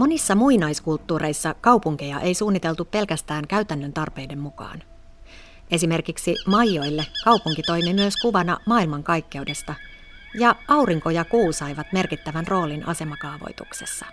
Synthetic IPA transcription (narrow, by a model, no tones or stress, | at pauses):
mo̞nisːɑmuinɑiskult̪ːuːɾe̞jsːɑkɑwpuŋk̟ejɑʔe̞jsuːnːit̪elt̪uppe̞lkæst̪æːŋkæyt̪ænːønt̪ɑrpe̞jde̞mːukɑ̰ːn | e̞sime̞rkiksimɑjːo̞jlːe̞kɑuwpuŋkit̪o̞jmimyøskuʋɑnɑ̰mɑːilmɑŋkɑjkːe̞ude̞st̪ɑ | jɑɑwriŋko̞jɑkuːsɑjʋɑt̪me̞rkit̪ːæʋænrʔo̞ːlinʔɑ̰se̞mɑkɑːʋo̞̰jt̪ṵkse̞̥̰sːɑ